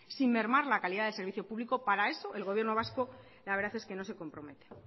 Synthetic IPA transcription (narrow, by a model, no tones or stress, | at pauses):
simme̞ɾmaɾlakaliðaðelse̞ɾβiθjo̞puβliko̞paɾae̞so̞ʔe̞lɣ̞o̞β̞je̞ɾno̞β̞asko̞ | laβe̞ɾðaθeske̞no̞se̞ko̞mpɾo̞me̞t̪e̥